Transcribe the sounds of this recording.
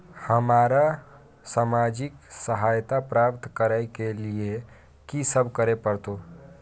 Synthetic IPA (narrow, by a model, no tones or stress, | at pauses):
həmaːɾa | saːmaːd͡ʒɪksəɦaːjt̪apɾaːpt̪kəɾaɪkelie | kisəbʱkəɾepəɾt̪o